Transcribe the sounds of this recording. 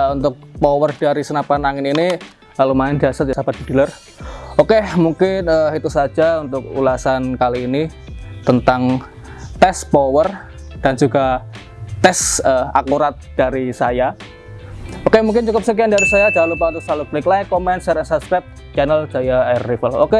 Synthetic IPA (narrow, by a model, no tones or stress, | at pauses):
unt̪ʊk̚powərd̥aɾisənapanaŋɪnini | lalumaɪndiasat̪jasabad̥i̤dilər | okemuŋkɪnəhit̪usḁd͡ʒaunt̪ʊk̚ṵlasankaliːni | t̪ənt̪aŋ | t̪ɛspowər | d̥and͡ʒuɡa | t̪ɛsəa̰kuɾat̪̚d̥aɾisaja | okemuŋkɪnt͡ʃukʊp̚sək̬iandaɾisajad͡ʒaalupat̪usaluɡlɪklajkomɛnsɛɾinsaskɾɛp̚t̪̚ | t͡ʃanəld͡ʒ̥ajarːifəlo̰ke